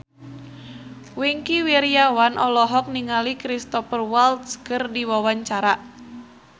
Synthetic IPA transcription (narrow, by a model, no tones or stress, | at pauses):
wiŋkiwiɾiawanʔɔlɔɦɔk̚niŋalikɾist̪ɔfərwalt̪skɨrdiwawaɲt͡ʃaɾaʔ